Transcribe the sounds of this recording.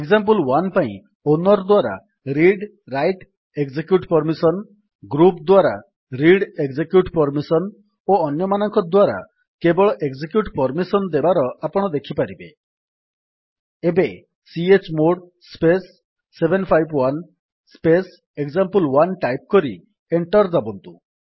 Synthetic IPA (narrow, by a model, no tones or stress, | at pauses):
eɡzamp̬ulwanpaḭ̃ | onɔɾd̪waɾa̰ | ɾiɖ | ɾajʈ | eɡd͡ʒekjuʈpɔɾmisɔn | ɡɾupd̪waɾa̰ | ɾiɽeɡd͡ʒekjuʈpɔɾmisɔn | oɔnjɔmanɔŋkɔd̪waɾa̰ | kebɔɭɔʔeɡd͡ʒekjuʈpɔɾmisɔnd̪ebaɾɔapɔɽ̃ɔd̪ekʰipaɾibḛ | ebe | siet͡ʃmoɽ | spesː | ebʱenpʰajbwan | spes | eɡzampulwanʈajp̚kɔɾi | eɳʈɔɾd͡ʒabɔnt̪u